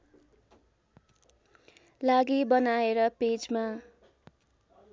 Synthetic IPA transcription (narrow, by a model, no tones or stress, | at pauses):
laɡibʌnaeɾʌped͡zma